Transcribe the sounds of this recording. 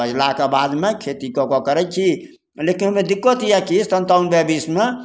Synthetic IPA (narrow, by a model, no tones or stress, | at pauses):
əd͡ʒlakebad̪mekʰet̪ikɔkɔkəɾɛt͡ʃʰi | lekinɦomed̪ikːot̪ijakist̪ənt̪aunbɛbisme